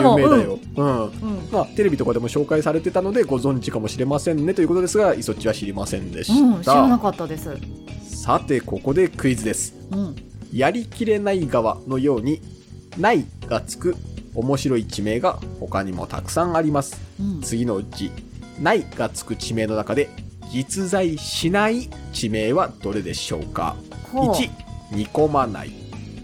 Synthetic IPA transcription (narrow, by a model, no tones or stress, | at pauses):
jɯmed̪ajo̞ | ɯ̟̃ɴmat̪eɾe̞bʲit̪o̞kad̪e̞mo̞ɕo̞ːkaisaɾe̞t̪e̞t̪ano̞d̪e̞ɡo̞zõ̞ɲ̟d͡ʑikamo̞ɕiɾe̞masẽ̞nːe̞t̪o̞iɯ̟kood̪esɨɡaiso̞t͡ɕiβaɕiɾʲimasẽ̞̰nd̪e̞ɕit̪anakat̪ːad̪esɨsat̪e̞ko̞ko̞d̪e̞kɯ̟izɨd̪e̞sɨ̥ | jaɾʲikʲiɾe̞naiɡaβano̞jo̞ːɲ̟i | naiɡ̥at͡sɨ̥kɯ̟o̞mo̞ɕiɾo̞it͡ɕime̞ːɡaho̞kaɲ̟imo̞̰t̪a̰kɯ̟̥sãŋ̃aɾʲimasɨ̥t͡sɨɡʲino̞ɯ̟t͡ɕinaiɡ̥at͡sɨ̥kɯ̟t͡ɕime̞ːno̞nakad̪e̞ɡʲit͡sɨzaiɕinait͡ɕime̞ːβad̪̥o̞ɾe̞d̪e̞ɕo̞̰ːka̰hoit͡ɕiɲ̟iko̞mana̰ḭ